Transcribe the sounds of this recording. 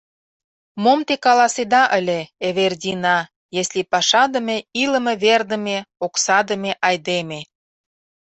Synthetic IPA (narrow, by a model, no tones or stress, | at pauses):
momt̪ekɑlɑsed̪ɑʔə̆lʲeeβerdʲinɑ | jeslʲipɑʃɑd̪ə̆meilə̆mĕβerd̪ə̆meoksɑd̪ə̆meʔɑjd̪eme